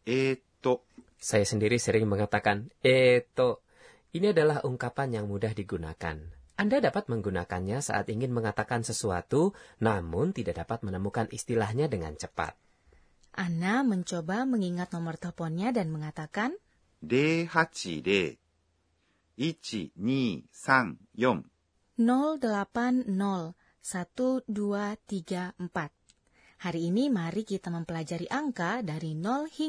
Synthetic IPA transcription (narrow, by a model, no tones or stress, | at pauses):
et̪oʔ | sajasəndiɾisəɾɪŋməŋat̪akanet̪oʔ | iniadalahuŋkapanjaŋmudahdiɡuna̰ka̰nʔandadapat̪̚məŋɡuna̰ka̰nɲasa̰ʔa̰t̪iŋɪnməŋat̪akansəsua̰t̪unamʊnt̪idaʔdapat̪̚mənəmukanist̪ilahɲadəŋa̰nt͡ʃəpa̰t̪̚ | ʔanaməɲt͡ʃobaməŋiŋat̪̚nɔmərt̪ɔpɔnɲadanməŋat̪akan | dehat͡ʃḭde | it͡ʃḭɲisaŋjɔm | nɔldəlapanːɔl | sat̪uduat̪iɡaəmpat̪̚ | haɾiːnimaɾikit̪aməmpəlad͡ʒaɾiʔaŋkadaɾinɔlhi